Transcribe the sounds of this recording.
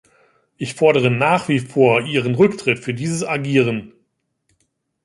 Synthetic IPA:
ʔɪçfɔɐɾəʁənaːχv̥iːfoːɐʔiːʁənʁʏktʁ̥ɪtfyːɐdiːzəsaɡiːʁən

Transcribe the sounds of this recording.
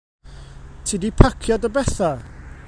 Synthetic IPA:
tʰidipʰakʰjɔdəbɛθa

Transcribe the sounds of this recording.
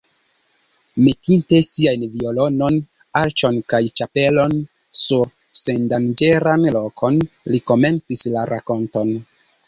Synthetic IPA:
metinte̞siajnviolo̞no̞n | aɾt͡ʃo̞nkajt͡ʃape̞lo̞n | suɾ | se̞ndand͡ʒe̞ɾanlokʰo̞nliko̞me̞nt͡sislaɾʔako̞nto̞n

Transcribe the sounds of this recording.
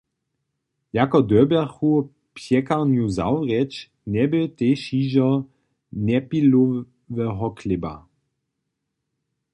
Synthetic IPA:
jakɔd̪œbɛxu | pjɛkaʁnjuza̰wʁɛt͡ʃ | nɛbɪteʃiːʒɔ | nɛpilo | vɛɦɔklɪba̰

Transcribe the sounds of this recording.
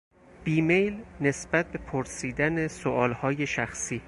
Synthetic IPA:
b̥iːme̞jlne̞sb̥æt̪̚be̞pʰoɾsiːd̪ænesoʔɒːlhɒːje̞ʃæxsiː

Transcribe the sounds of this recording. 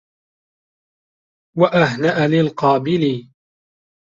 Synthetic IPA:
waʔaɦnaʔalɪlqɑːbɪli

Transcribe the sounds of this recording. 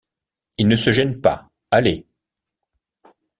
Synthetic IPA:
ilnəsəʒɛnpa̰ | ale

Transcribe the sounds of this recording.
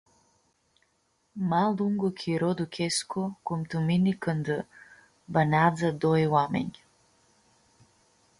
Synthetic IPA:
malˠd̪uŋɡɔkʰiɾɔd̪ukʰʲɛskʰɔkumt̪uminikənd̪ə | banʲad̪zad̪ɔjwamɛ̰ɲ

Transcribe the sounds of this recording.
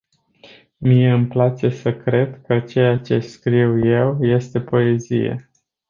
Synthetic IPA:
mije̞ɨmplat͡ʃe̞səkɾe̞d̪kət͡ʃe̞jat͡ʃe̞skɾiwje̞wje̞st̪e̞po̞e̞zḭjḛ

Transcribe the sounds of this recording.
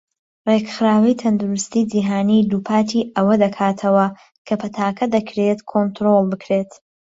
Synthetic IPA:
reɡxɨɾaːwɐjt̪ʰɐnd̪uɾɨst̪iːd͡ʒiɦaːniːd̪uːpʰaːt̪ʰiːɐwɐd̪ɐkʰaːt̪ʰɐwɐ | kʰɐpʰɐt̪ʰaːkʰɐd̪ɐkʰɾet̪kʰont̪ɾolˠbɨkʰɾeːt̪

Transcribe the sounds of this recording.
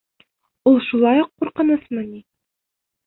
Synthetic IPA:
ulˠʃulˠɑjuqːuɾqɤ̆nɤsmɤni

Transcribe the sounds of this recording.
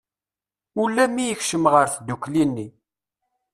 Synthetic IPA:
ulːæmijəçʃəmʁəɾθd̪ukːlinːi

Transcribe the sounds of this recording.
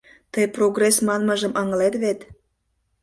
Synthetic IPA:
t̪əjproɣresmɑnməʒəmʔɑŋəlet̪βet̪

